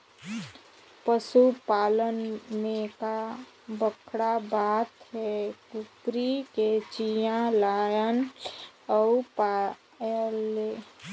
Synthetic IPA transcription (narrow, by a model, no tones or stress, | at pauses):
pəsupaːlənmẽka | bəkʰɽabat̪ɦɛkupɾiket͡ʃijãlaːjən | əupa | le